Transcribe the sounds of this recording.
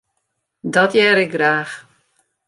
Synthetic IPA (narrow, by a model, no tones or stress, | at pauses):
dɔtjɛːɾɪk̚ɡraːx